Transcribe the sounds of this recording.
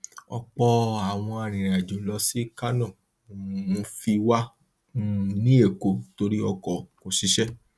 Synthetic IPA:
ɔ̰˧k͡pɔ˧a˨w̃ɔ̃˧a˨ɾ̃ĩ˨ɾa˨d͡ʒo˨lɔ˨˧˦si˦ka˦nɔ̃˦˨˦ | fi˧wa˦ | nĩ˦e˦˨ko˨to˧ɾi˦ɔ˧kɔ˨ko˨ʃi˧˦ʃɛ˦

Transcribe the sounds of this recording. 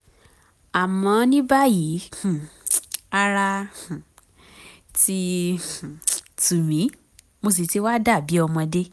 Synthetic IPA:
a˨mɔ̃˨˧˦nĩ˦ba˦ji˨˦hũ˨ | a˧ɾã˧˨ | tĩ˧˨ | tu˨ɾĩ˨˦ | mo˧s̬i˨ti˨˧˦wa˦da˦˨bi˨˦ɔ˧mɔ̃˧de˦

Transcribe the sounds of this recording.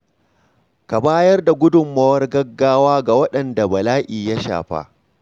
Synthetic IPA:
ka˨baː˦jɐ˦rda˨ɡʷʊ˦dʊ˨mːɐ˦wɐ˦rɡɐ˦ɡːaː˦waː˦ɡa˨wɐ˦ɗɐ˨nda˨bɐ˨laː˦ʔiː˨ja˦ʃa̰ː˨ɸa̰˦ʔ

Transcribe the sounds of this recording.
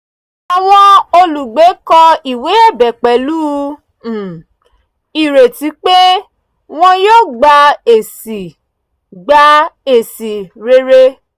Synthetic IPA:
a˨wɔ̃˦o˧lu˨ɡ͡be˨˦kɔ˧i˨we˨˦ɛ˦˨bɛ˨k͡pɛ˨˦luː˦˨ | i˨ɾe˨ti˨˦k͡pe˦ | w̃ɔ̃˧joː˦˨ɡ͡ba˧e˨si˨ | ɡ͡ba˧e˨si˨ɾe˧ɾe˧

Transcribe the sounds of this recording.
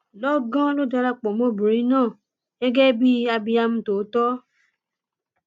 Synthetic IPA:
lɔ˦ɡã˦lo˦da˧ɾa˧k͡pɔ˨mo˧˦bũ˨ɾĩ˨˦nãː˦˨ | ɡɛ˦ɡɛ˦bi˦a˧bi˧a˧m̩˦to˨˦tɔ˦

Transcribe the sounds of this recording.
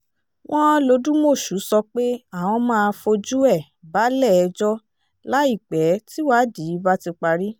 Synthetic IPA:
w̃ɔ̃˦lo˧dũ˦mo˦˨ʃu˨˦sɔ˧k͡pe˦a˦˨w̃ɔ̃˧mãː˦˧˦fo˧d͡ʒu˦ɛ˦˨ | ba˨˦lɛ˦˨ɛ˧d͡ʒɔ˦ | la˦i˦˨k͡pɛ˨˦ti˦wa˦di˨˦ba˦ti˧k͡pa˧ɾi˦

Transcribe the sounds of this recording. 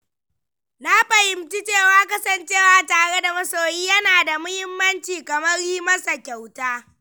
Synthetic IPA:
na˦ɸɐ˨hɪ˨mt͡ʃi˦t͡ʃeː˦˨waː˦kɐ˦sɐ˨nt͡ʃeː˦˨waː˨taː˨ɽe˦da˨mɐ˦soː˨jiː˦jɐ˦naː˨da˨mʊ˦hɪ˦mːɐ˦nt͡ʃiː˨kɐ˨mɐ˦rɾiː˦mɐ˦sa˨kʲa˨wtaː˦

